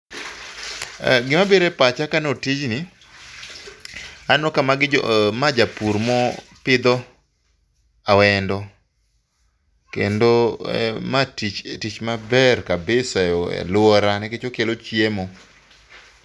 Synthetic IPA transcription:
ɡɪmabeɾepat͡ʃakanotit͡ʃni | anɔkamaɡɪmad͡ʒapuɾmɔpɪd̪ɔ | awɛndɔ | kḛndo̰ | matit͡ʃtit͡ʃmabɛrkabɪsaɔɛ̰lʊɔɾanɛket͡ʃokelot͡ʃjemo

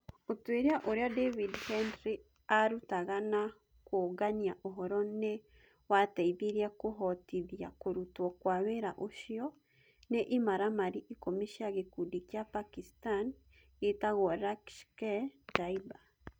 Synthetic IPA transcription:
otweɾiaʔoɾeadevidhɛndɾi | aɾutaɣana | koɣaɲiaʔoɦɔɾɔne | wataiðiɾiakoɦɔtiðia̰koɾutwɔkwaβeɾaʔoʃiɔ | neʔimaɾamaɾiʔikomiʃiaɣekudikiapakistan | ɣetaɣɔɾakʃkɛtaiba

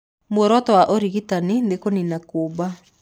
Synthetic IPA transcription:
mwɔɾɔtɔwaʔoɾiɣitanindekoninakoba

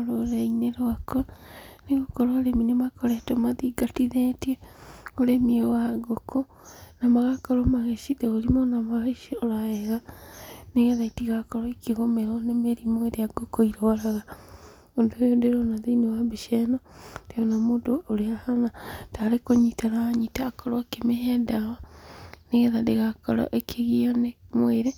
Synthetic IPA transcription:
oɾoɾeineɾoakɔaneɣokɔɾoaɾeminemakɔɾɛtomaðiɡatiðɛtiɛoɾemiewaɡokʰo | namaɣakɔɾomaɣeʃiðeɣoɾimonamaɣeʃioɾaɛɣa | neɣɛðaitiɣakɔɾɔekeɣomɛɣɔnemeɾimoeɾeaɡokoiɾɔaɾaɣa | ondojodeɾɔnaðinewabeʃɛnɔd̥eɔnamoːdoːɾeahanataɾekoɲitanaɲitaːkɔɾakemeɦɛdawaneɣɛðadeɣakɔɾɔ̰ʔekʰeɣiɔnemweɾe

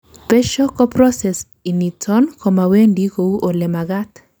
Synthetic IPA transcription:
peʃɔkɔpɾɔsɛs | initʰɔnkɔmawendikouʔolemaɡat̪

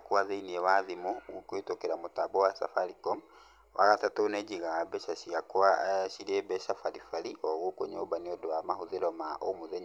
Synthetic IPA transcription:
kuwazeiniɛwaðimuɣukwitokɛɾamutabɔwasa̰faɾikɔm | wa̰ɣatatoned͡ʒiɣaabɛʃaʃiakuaʃilɛbɛʃafaɾifaɾioɣukoɲobaniɔdowamahuðiɾɔmaʔomuzɛɲ

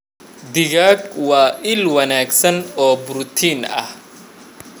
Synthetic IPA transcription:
d̪ɪɣaːɡwɑːʔɪlwɐnaːɡsɐnɔːbʊɾut̪ʰiːnɐ̰h

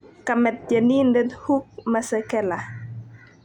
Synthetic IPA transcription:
kamɛt̚d͡ʒanindənhuk̚masəkɛla

